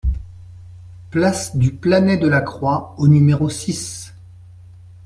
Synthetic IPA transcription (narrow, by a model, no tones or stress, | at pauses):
plasd̪yplanɛd̪əlakχwaonymeʁosis